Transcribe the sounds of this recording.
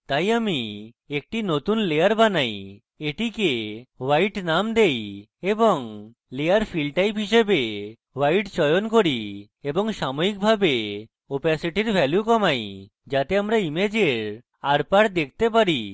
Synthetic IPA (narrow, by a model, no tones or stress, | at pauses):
t̪ajami | ek̚ʈinot̪unlejaɾbanaj | eʈikewajʈnamd̪ej | eboŋ | leaɾpʰilɖʈajpɦiʃebe | wajʈt͡ɕɔjonkoɾi | eboŋʃamoik̚bʱabe | opasiʈiɾbʱɛljukɔmaj | d͡ʑat̪eamɾaimed͡ʑeɾ | aɾpaɽd̪ek̚ʰt̪epaɾi